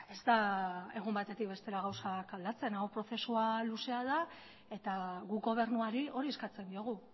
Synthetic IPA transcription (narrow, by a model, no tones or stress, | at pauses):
e̞zt̪ae̞ɣ̞umbat̪e̞t̪ik̚be̞st̪e̞ɾaɣ̞awsakald̪at͡se̞nawpɾo̞θe̞sualuse̞að̞a | e̞t̪aɣuɡo̞β̞e̞ɾnuaɾio̞ɾieskat͡se̞nd̪io̞ɣ̞u